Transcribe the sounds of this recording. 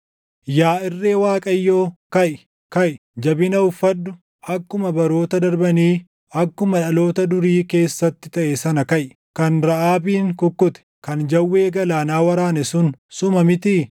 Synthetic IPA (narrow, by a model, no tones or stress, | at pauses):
jaːɪrːe̞ːwaːkʼɐjːo̞ːkɐʔɪ | kɐʔɪ | d͡ʒɐbɪnɐʊfːɐd̪ːʊ | ɐkːʊmɐbɐɾo̞ːt̪ɐd̪ɐɾbɐniː | ɐkːʊmɐᶑɐlo̞ːt̪ɐd̪ʊɾiːke̞ːsːɐt̪ːɪt̪ɐʔɛsɐnɐkɐʔ | kɐnɾɐʔaːbiːŋkʊkːʊt̪ɛ̥kɐnd͡ʒɐwːe̞ːɡɐlaːnaːwɐɾaːnɛsʊnsʊmɐmɪt̪i